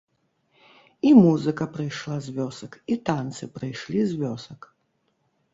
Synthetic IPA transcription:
imuzɨkɐpɾɨjʂlˠazʲvʲɔsɐkit̪ant̪sɨpɾɨjʂlʲizʲvʲɔsɐk

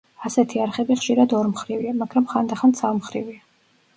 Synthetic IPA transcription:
asɛt̪ʰiaɾχɛbiχʃiɾad̪ɔɾmχɾiviamaɡɾamχand̪aχant̪savmχɾivia

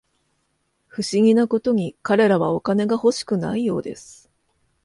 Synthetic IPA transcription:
ɸɯ̟ɕiɡʲinako̞t̪o̞ɲ̟ikaɾe̞ɾaβao̞kane̞ɡaho̞ɕi̥kɯ̟na̰ijo̞ːd̪e̞sɨ̥

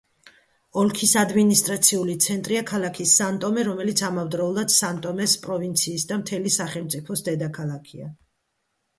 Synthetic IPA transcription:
ɔlkʰisad̪minist̪ʼɾat̪sʰiulit̪sʰɛnt̪ʼɾiakʰalˠakʰisːant̪ʼɔmɛɾɔmɛlit̪sʰamavd̪ɾɔulˠad̪̥sant̪ʼɔmɛspʼɾɔvint̪sʰiːsd̪amt̪ʰɛlisaχɛlˠmt̪sʼipʰɔsd̪ɛd̪akʰalˠakʰia̰

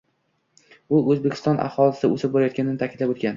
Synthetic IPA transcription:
ʊɵzbekʲɪ̥st̪ɒnʔa̰hɒlɪsɪosɪp̚bɒɾajɒt̪̚kʲanɪnɪt̪ʰakʲʰɪd̪lapot̪̚ɡʲan

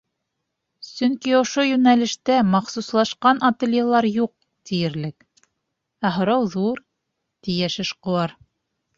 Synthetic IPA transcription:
sɵŋkiŏʃojʉnælɘ̆ʃt̪æmɑχsuslˠɑʃqɑnʔɐt̪elʲjelˠɑɾjuq̚ | t̪ijɘ̆ɾlɘk | æɦŏɾɑwðuɾ | t̪ijæʃɘ̆ʃqŏɑɾ

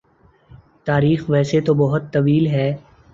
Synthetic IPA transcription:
t̪aːɾiːxʋɛːset̪obɐɦʊt̪ːɐʋiːlɦɛː

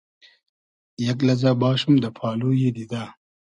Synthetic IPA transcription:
jɐk̬lɐzaːbaːʃumd̪əpʰɑːloːjed̪id̪aː

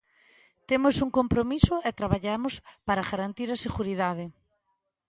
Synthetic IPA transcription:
t̪emʊsuŋkompɾomisʊɛt̪ɾaβaʎamʊspaɾaɣaɾant̪iɾɐseɣuɾiðað̞ɪ

